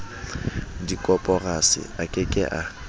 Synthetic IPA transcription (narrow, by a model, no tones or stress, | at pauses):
dikʼɔpʼɔrasɪ̰akʼɪkʼɪ̰ʔa